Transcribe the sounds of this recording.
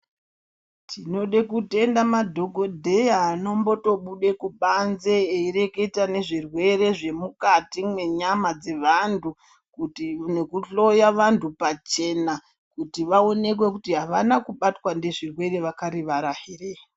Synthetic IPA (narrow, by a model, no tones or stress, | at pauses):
tʰino̞ɗekute̞ndamadʱo̞ɡʱo̞dʱe̞jaːno̞mbo̞to̞ɓuɗe̞kuɓanze̞ːire̞ke̞tane̞ʐirwe̞re̞ʐe̞mukatimwe̞ɲamad͡ze̞ʋantʰu | kutine̞kuɬo̞jaʋantʰupat͡ʃe̞na | kutiʋao̞ne̞k̬we̞kutiɦaʋanakuɓatwande̞ʐirwe̞re̞ʋakaɾiʋaɾahire